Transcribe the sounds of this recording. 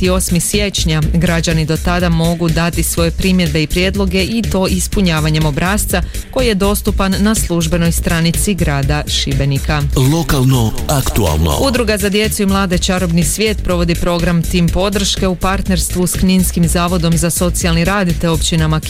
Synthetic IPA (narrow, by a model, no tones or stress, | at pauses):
t̪io̞smisje̞t͡ɕɲaɡɾad͡ʑanid̪o̞t̪ad̪amo̞ɡud̪at̪isʋo̞je̞pɾimje̞d̪be̞ipɾjed̪lˠo̞ɡe̞ʔit̪o̞ːʔispuɲaːʋaɲe̞mo̞bɾaːst̪sa | ko̞jije̞d̪o̞st̪upanːaslˠuʒbe̞no̞jst̪ɾanit̪siɡɾaːd̪aʃibe̞nikalo̞kalˠnoakt̪ua̰lˠna̰ud̪ɾuɡazad̪je̞t̪suimlˠaːd̪e̞t͡ʃaɾo̞bnisʋʲje̞ːt̪pɾo̞ʋo̞d̪ipɾo̞ɡɾamt̪impo̞d̪r̩ʃke̞upaɾt̪ne̞ɾst̪ʋuskninskimzaːʋo̞d̪o̞mzaso̞t̪sialˠniɾaːd̪it̪eo̞pt͡ɕinama